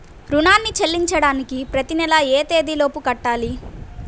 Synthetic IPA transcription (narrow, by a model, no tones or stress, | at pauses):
ɾunaːnːit͡ʃelːiɲt͡ʃɐɽaːnikipɾɐt̪inɛlɐeːt̪e̞ːd̪ilo̞ːpukɐʈːaːli